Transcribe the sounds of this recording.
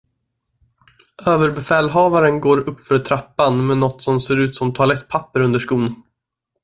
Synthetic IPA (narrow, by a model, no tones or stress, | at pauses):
øːvəɾbɛfɛːlɦɑːvaɾənɡoːɾɵpːfœɾt̪ʰɾapːanmɛnɔt̪ːsɔmseːɾʉ̟ːt̪sɔmt̪ʰʊalɛt̪̚ːpʰapːəɾɵnd̪əʂkuːn